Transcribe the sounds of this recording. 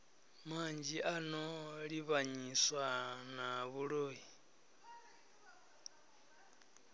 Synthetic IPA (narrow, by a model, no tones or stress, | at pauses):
mand͡ʒiʔanɔɺiβaɲiswanaβuɺoːji